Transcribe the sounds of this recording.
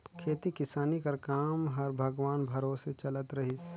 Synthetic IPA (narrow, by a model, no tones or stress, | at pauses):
kʰeːt̪ikɪsaːnikɐɾkaːmɦɐɾbʱɐɡʋaːnbʱɐɾoːset͡ʃɐlət̪ɾɐɦɪs